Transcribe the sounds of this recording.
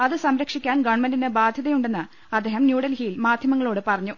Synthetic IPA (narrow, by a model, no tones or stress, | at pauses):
ɐðɨsɐmɾɐkʂikʲːaːnɡɐɳmɐninebaːd̪ʱjɐðɐjuɳɖenːɨ | ɐd̪ːe̞ːhɐmnjuːɽɐlhijilmaːd̪ʱjɐmɐŋːɐɭo̞ːɽɨpɐrɐɲːu